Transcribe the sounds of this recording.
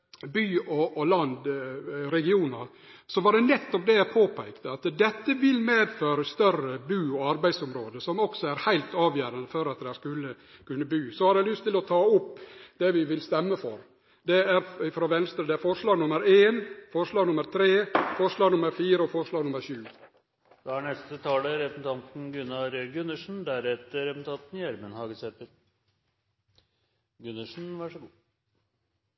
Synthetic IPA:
byːɔʔːlɑnd̪ɾɛɡɪuːnəɾ | sɔʋɑɖɛnɛt̪ːɔpd̪ɛæpʰoːpʰæɪkt̪əɑt̪d̪ɛt̪ːəʋɪlmeːd̪føːɾəst̪œrəbyːɔɑɾbæɪd̪sɔmɾoːd̪əsɔmɔksɔæɾhæɪlt̪ɑːʋjøːɾənd̪əfɔɾɑt̪d̪ɛhæɾkʉlːə | kʰʉnːəbyːsɔhɑɾɛɪlʏst̪ːɪlɔt̪ʰɑːʊpːd̪̥ɛʋɪʋɪlst̪ɛmːəfɔɾ | d̪ɛæɾɪfɾoːʋɛnst̪ɾəd̪ɛæɾfɔʂɭɑːɡnʊməɾeːnfɔʂlɑːɡnʊməɾt̪ʰɾeːfɔʂɭɑːɡnʊməɾfiːɾəɔfɔʂlɑːɡnʊməɾʃʉː | d̪̥ɑæɳɛst̪ət̪ʰɑːləɾɛpn̩t̪ʰɑnt̪n̩ɡʉnɑɾɡʉnːəʂɳ̩d̪æɾɛt̪ːəɾɛpnt̪ʰɑːt̪njæɾmənhɑːɡəsɛt̪əɾ | ɡʉnːəʂn̩ʋɑʂəɡ

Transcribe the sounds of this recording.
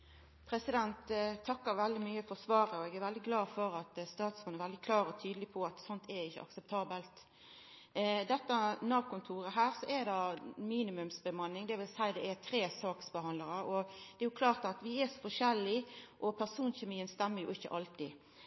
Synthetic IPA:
pʰɾɛsɪd̪ɛnt̪t̪ʰːɑkːəɾʋɛld̪ɪmyːəfɔsʋɑːɾəɔɛɡæɾʋɛld̪ɪɡlɑːfɔɾɑt̪st̪ɑːt̪sfɔnəʋɛld̪ɪkʰlɑːɾɔt̪ʰyːd̪əlɪpʰɔɑt̪sɔnt̪ʰɛɾɪçːə̰ʔɑ̰ksɛp̚t̪ʰɑːbəlt̪ | d̪ɛt̪ːənɑːkʊnt̪ʰuːɾəɦæːɾsɔʔɛd̪ɑmiːnɪmʉmsbəmɑnːɪŋd̪ɛʋɪlsæɪd̪ɛɛt̪ʰɾeːsɑːksbəhɑnləɾəɔd̪̥ɛæjʊkʰlɑːʁt̪ɑt̪ʋɪɛsɔ̥fɔʂɛlːɪʔɔpʰæɾsuːnçɛmiːənst̪ɛmːəɾjʊ̰ɪçːə̰ʔɑlt̪ḭ

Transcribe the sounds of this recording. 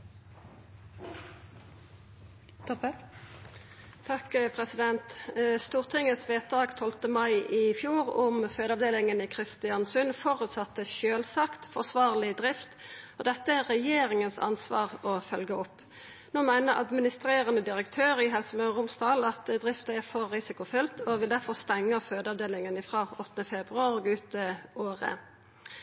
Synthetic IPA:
t̪ʰɑkpʰʁɛsɪd̪ɛnt̪st̪uːʁt̪ʰɪŋəsʋeːt̪̚d̪ɑːɡt̪ʰɔlt̪əmɑɪʔɪfjuːʁʊmføːd̪ɑʋd̪eːlɪŋənɪkʰʁɪst̪ɪɑnsʉnfɔʁʉt̪sɑt̪ːəʃøːlsɑkt̪fɔʁsʋɑːʁlɪd̪ʁɪft̪ɔd̪ɛt̪ːəæʁːɛjeːɾɪŋənsɑ̰nsʋɑ̰ːʁɔfœlɡəɔpː | noːmæɪnəɾʔɑ̰d̪mɪnɪst̪ɾeːʁənəd̪ɪɾəkt̪ʰøːɾʁɪɦɛlsəmbɑʁʊmst̪ɑːlɑt̪d̪ʁɪft̪əæʁfɔɾːɪsɪkʊfʏlt̪ʰɔʋɪld̪æɾfɔʁst̪ɛŋːəføːd̪ɑʋd̪eːlɪŋənɪfʁɑːɔt̪ːənəfɛbʁʉɑːʁɔːɡʉːt̪ːəoːʁə̰

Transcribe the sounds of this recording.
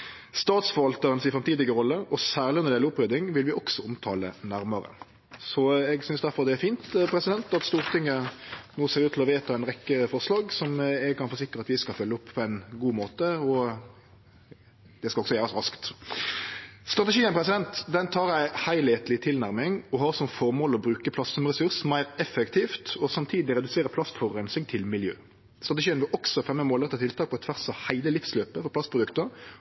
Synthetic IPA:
st̪ɑːt̪sfɔʋɑlt̪əʁənsɪfʁɛmt̪iːd̪ɪɡəɾɔlːəʔɔsæːʁlɪɔnʁd̪ɛləʊpːʁøːd̪ɪŋʋɪlʋɪʔɔksɔʊmt̪ʰɑːlə̰næɾməɾə̰ | sɔɛɡsʏnsd̪æʁfɔʁd̪ɛæfiːnt̪pʰɾɛsɪd̪ɛnt̪ɑt̪st̪uːʁt̪ʰɪŋːənuːseːɾʉːt̪ʰɪlɔʋeːt̪ɑɛnʁɛkːəfɔʁslɑːɡsɔmɛɡ̚kʰɑnfɔːɾs̬ɪkːəɾəɑt̪ʋɪskɑfœlːʊpːʰpʰɔæɪnɡuːmoːt̪əɔ | d̪̥ɛskɑɔɡsɔjæːʁɑsʁɑskt̪ | st̪ɾɑt̪ɛʃiːənpʰʁɛsɪd̪ɛnt̪d̪ɛnt̪ʰɑːɾjæɪhæɪlheːt̪lɪt̪ʰɪlnæʁmɪŋɔɦɑʁsɔmfɔʁmoːlɔbɾʉːkəpʰlɑst̪ɔmʁɛsʉʁsmæɪʁɛfɛkt̪ʰiːft̪ɔsɑmt̪ʰiːd̪ɪɾɛd̪ʉseːɾəpʰlɑst̪fɔɾœnsɪŋt̪ʰɪlmɪljø̰ː | st̪ɾʁɑt̪ɛʃiːənʋɪlʔɔksɔfɛmːəmoːlɛt̪ːət̪ɪlt̪ʰɑːk̚pɔɛt̪ʰʋæʁsɑhæɪləlɪfsløːpəfɔɾpʰlɑst̪pɾʊd̪ʉkt̪əʁ

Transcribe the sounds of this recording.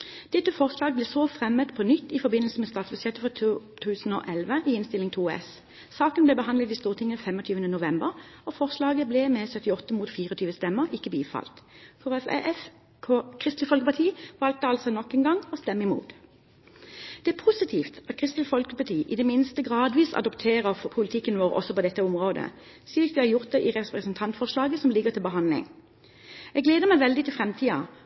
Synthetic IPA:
d̪̥ɛt̪ːəfɔʁslɑːɡblɛsoːfʁɛmət̪pʰɔnʏt̪ːɪfɔbɪnlsəmɛst̪ɑːt̪sbʉsjɛt̪ːəfɔt̪ʰʉːsn̩o̰ːʔɛlʋəʔiːɪnst̪ɪlɪŋt̪ʰuːɛ̰s | sɑːkənblɛbəɦɑnd̪lət̪ɪst̪uːʁt̪ʰɪŋːənfɛmɔt̪ʰyːʋənənʊʋɛmbəʁɔfɔʁslɑːɡəblɛmɛsœt̪ɪɔt̪ːəmuːt̪fiːʁəɔt̪ʰyːʋəst̪ɛməʁɪkːəbiːfɑ̰lt̪fɔʁɛfɛ̰ʔɛfʰ | kʰʁɪst̪lɪfɔlkəpɑt̪ʰiːʋɑlt̪əɑlsɔnɔkːɛnɡɑŋɔst̪ɛmːɪmṵːt̪ | d̪̥ɛæːʁpʰusɪt̪ʰiːft̪ɑt̪̚kʰʁɪst̪lɪfɔlkəpɑt̪ʰiːʔɪd̪ɛmɪnst̪əɡʁɑːd̪ʋiːsɑ̰d̪ɔpt̪ʰeːʁəʁpʰʊlɪt̪ʰɪkːənʋoːʁɔ̰sɔpɔd̪ɛt̪ːəɔmʁoːd̪ə̰ | syːkt̪ʋæhɑʁjʊʁt̪̚d̪ɛʔɪʁɛpʁəsənt̪ʰɑnt̪fɔʁʂlɑːɡəsɔmlɪɡəʁt̪ʰɪlbəɦɑnd̪lɪ̰ŋ | ɛɡleːd̪əmæɪʋɛld̪ɪt̪ʰɪlfʁɛmt̪ʰiːɑ̰

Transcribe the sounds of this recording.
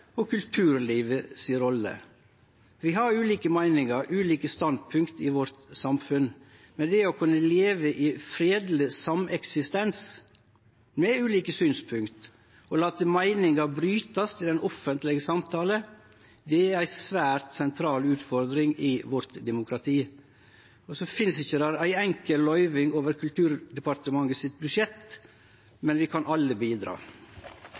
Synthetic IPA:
ɔkʰʉlt̪ʰʉːɾliːʋəsiːəɾɔlːə̰ | ʋɪhɑɾʉːliːkəmæɪnɪŋɑɾʉːliːkəst̪ɑnd̪̚pʰʉŋkt̪ɪʋɔɾt̪sɑmfʉn | mɛnd̪ɛɔkʰʉnːəleːʋəʔɪːfɾeːd̪ləsɑmɛksɪst̪ɛns | mɛʉːliːkəsyːnspʰʉŋkt̪ | ɔlɑːt̪əmæɪnɪŋɑbɾyːt̪ɑst̪ʰɪld̪ɛnʔɔfːənt̪lɪɡəsɑmt̪ʰɑːlə | d̪ɛæɾæɪsʋæːɾt̪sɛnt̪ʰɾɑːlʉːt̪fɔɾd̪ɾɪŋɪʋɔɾt̪d̪ɛmʊkʰɾɑt̪ʰiː | ɔsɔfɪnsɪçːəd̪æɾæɪɛŋkəllœʏʋɪŋoːʋəɾkʰʉlt̪ʰʉːɾd̪ɛpɑɾt̪əmɑŋəsɪt̪̚bʉʂjɛt̪ | mɛnʋɪkʰɑnʔɑlːəbiːd̪ɾɑ̰ː

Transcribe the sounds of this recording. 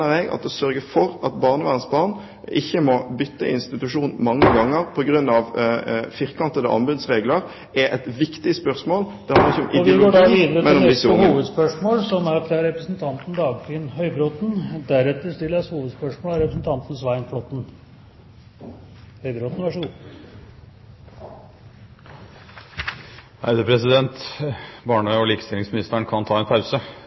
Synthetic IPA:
əʁɛɡɑ̰t̪d̪ɛsœɾɡəfɔɾɑt̪bɑːʁnəʋæːʁənsbɑːʁn | ɪçːəmɔbʏt̪ːəɪ̰nst̪ɪt̪ʉʂuːnn̩mɑŋːəɡɑŋːəʁpʰɔɡʁʉnːɑʋfɪʁkɑnt̪əd̪ə̰ʔɑ̰mbʉd̪sʁeːɡləʁ | ɛʔɛt̪ʋɪkt̪ɪəspœʁsmoːld̪̥ɛhɑnəʁɪçːəɔmʔɪʋɪʊɪɡ̪loːɡːʋiːd̪əɾəmɛnɔmd̪ɪshuːʋəd̪spœʂmoːlsɔmæɾfɾɑɾɛpɾəsnt̪ʰɑnt̪n̩d̪ɑːɡt̪ʰiənhœʏbɾot̪n̩d̪æɾɛt̪ːəst̪ɪlːəshuːʋəd̪spœʂmoːlæɾɛpɾəsn̩t̪ʰɑnt̪n̩sʋæɪnflot̪n̩ | hœʏbɾoːt̪n̩ʋæʂʊ | hæ̰ɪd̪əpʰɾɛsɪd̪ɛnt̪bɑːɳœʏɔliːkə̥st̪ɪlːɪŋsmɪnɪst̪əɳkʰɑnt̪ʰɑːɛnpʰɑʉsə

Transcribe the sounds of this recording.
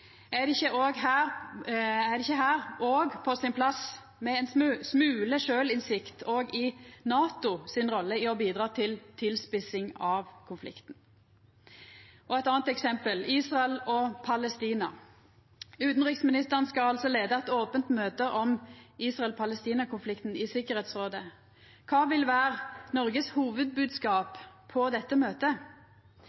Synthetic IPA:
æd̪ɪçəʔoːɡɦæːʁ | æd̪ɛɪçəɦæːʁʔoːɡpʰɔsɪnpʰlɑs | mɛɛnsmsmʉːləʂøːlɪnsɪkt̪ʰoːɡɪnɑːt̪ʊsɪnʁɔlːəɪɔbiːd̪ʁɑːt̪ʰɪlt̪ʰɪlspɪsɪŋɑʋkʰʊnflɪ̰kt̪n̩ | ɔɛt̪ɑːnt̪ɛksɛmpəliːsʁɑɛlɔpʰɑlɛst̪iːnɑ̰ | ʉːt̪n̩ʁɪksmɪnɪst̪əʁənskɑɑlsɔleːd̪əɛt̪oːpənt̪møːt̪əʔɔmiːsʁɑɛlpʰɑləst̪iːnɑkʊnflɪkt̪n̩ɪsɪkəʁheːt̪sʁoːd̪ə | kʰɑːʋɪlʋæːʁnɔʁɡəshuːʋəd̪̚bʉːd̪skɑːpʰːɔd̪ɛt̪ːəmøːt̪ə

